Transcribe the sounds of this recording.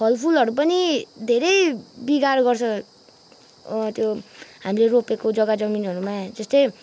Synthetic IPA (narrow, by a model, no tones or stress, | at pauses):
pʰʌlpʰulʌɾupʌnid̪ʱeɾʌjbiɡarɡʌrt͡sʰʌ | t̪joɦamileropekod͡zʌɡad͡zʌminɦʌɾumad͡zʌst̪ʌj